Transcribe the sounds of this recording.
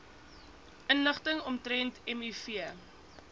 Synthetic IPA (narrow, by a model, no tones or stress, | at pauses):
ənləχtəŋɔmtɾɛntɛmyfiə